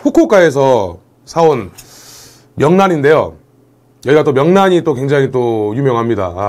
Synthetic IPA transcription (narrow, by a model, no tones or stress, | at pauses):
ɸokʰok͈ae̞s̬ʰʌ | sʰaon | mjʌŋnaninde̞jo̰ | jʌiɡat͈omjʌŋnaɲit͈ok̬we̞ŋd͡ʑaŋit͈ojumjʌŋɦamɲida̰